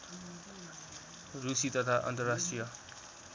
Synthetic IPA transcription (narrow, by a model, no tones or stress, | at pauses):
rusit̪ʌt̪ʰaʔʌ̰nt̪ʌrːasʈrijʌ